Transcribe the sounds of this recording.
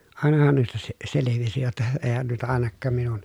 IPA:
ɑˑenɑhɑn nuistɑ se seleʋisi jotːɑ eːhæn nuitɑ ɑˑenɑkːɑːm minun

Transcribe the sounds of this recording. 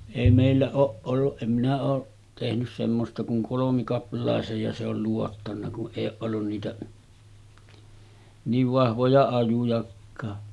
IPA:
eˑi meˑilːæ oːʔ ʔolːuʔ ʔem minæ oː tehnys semːostɑ kuŋ kolomikɑplˑɑˑesej jɑ se ol luotːɑnːɑ kuʔ ʔeˑij oːʔ ʔolːun niːtæ niːʋ ʋɑhʋojɑ ɑjujɑkːɑː

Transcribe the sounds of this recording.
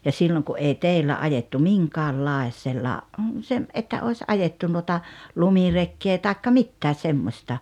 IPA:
jɑ silːoŋ ku ʔei teˑilːæ ɑjetːu miŋkɑːlːɑesˑelːɑ sem ʔetːæ oˑes ʔɑjetːu nuotɑ lumirekːeː tɑˑekːɑ mitːæː semːostɑ

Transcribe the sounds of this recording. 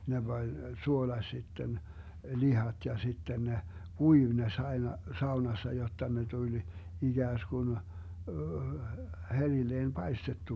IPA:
ne b̥ɑnʲ suolɑsʲ sitːen lihɑt jɑ sitːen ne kuiʋ ne s ɑi̯nɑ sɑunɑsːɑ jotːɑ ne tulʲ iɡ̊æːskun herilːeːn pɑistetːu

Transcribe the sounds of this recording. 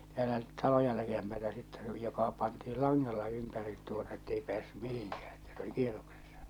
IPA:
tæːlæ tɑlojɑ likempætæ sitːɛ se oli jokɑ pɑntiːl lɑŋːɑlːɑ ympærit tuotɑ etːei pĕæːsːy mihiŋkæː etːæ se oli kieroksesːɑ

